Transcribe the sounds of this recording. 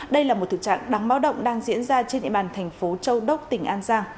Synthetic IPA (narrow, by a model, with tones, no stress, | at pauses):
ɗə˧jlaː˨˩mo˨˩t̪ʰɨ̰˧˨t͡ɕa̰ː˧˨ŋɗa˨˦ŋɓaː˨˦wɗə̰˧˨wŋ͡mɗaː˧ŋzḭ˧˥ənzaː˧t͡ɕe˧nɗḭ˧˨ɓaː˨˩nt̪ʰɛ˨˩jŋ̟fo˨˦t͡ɕə˧wɗə˦˥wk͡p̚t̪ï˨˩ŋ̟ʔaː˧nzaː˧ŋ